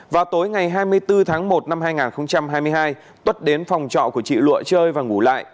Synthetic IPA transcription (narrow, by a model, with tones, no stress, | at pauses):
vaː˨˩t̪o˨˦jŋa˨˩jɦaː˧jmɨ˧əjt̪ɨ˧t̪ʰaː˨˦ŋmo˨˩t̚na˧mhaː˧jŋaː˨˩nxə˧wŋ͡mt͡ɕa˧mhaː˧jmɨ˧əjɦaː˧j | t̪wə˦˥t̚ɗe˨˦nfa˨˩wŋ͡mt͡ɕɔ̰˧˨ku˧˩ət͡ɕḭ˧˨lwṵ˧˨ət͡ɕəː˧jvaː˨˩ŋu˧˩la̰ː˧˨jʔ